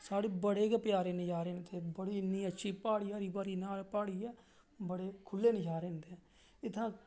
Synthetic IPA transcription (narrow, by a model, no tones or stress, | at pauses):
saːɽeːbəɽeːkpjaːɾeːnɪd͡ʒaːɾẽːnd̪eːbəɽiːniːətːʃʰiːpaːɽiːaːɾiːbaːɾiːnaːlpaːɽiːɛː | bəɽeːkʰʊlːeːnɪd͡ʒaːɾẽːnd̪eɛ | ɪt̪ʰːãː